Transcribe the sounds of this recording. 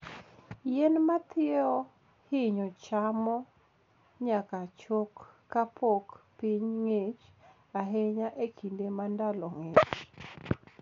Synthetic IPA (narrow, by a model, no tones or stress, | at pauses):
jenmat̪ɪɔ | hɪɲɔt͡ʃamɔ | ɲakat͡ʃokː | apʰokpiɲŋet͡ʃ | aɦeɲaʔekindemandalɔŋet͡ʃ